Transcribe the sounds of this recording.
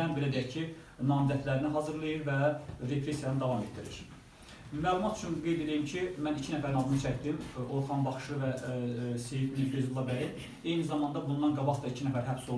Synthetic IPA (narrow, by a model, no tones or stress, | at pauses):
ænbe̞læd̪ijæɾcʰi | nɑːmizæt̪ʰlæɾiniɦɑːzɯɾlˠɑjɯɾvæɾe̞pʰɾe̞sijɑnɯd̪ɑvɑmet̪̚d̪iɾḭɾ | mæːlˠumɑt̪ʰy̥t͡ʃʰynɡe̞jd̪e̞lijimcʰimænicʰinæfæɾinɑd̪ɯnɯt͡ʃʰæçd̪imoɾχʰɑnbɑχɯ̥ʃɯvæsejid̪nibøzlˠɑbæɾin | e̞jnizɑmɑnd̪ɑbund̪ɑnɡɑbɑχd̪ɑicʰinæfæɾɦæbsolˠ